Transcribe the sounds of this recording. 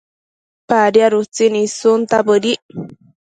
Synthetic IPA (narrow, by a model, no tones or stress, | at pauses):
paɾjaɾut͡sinĩsunt̪abədi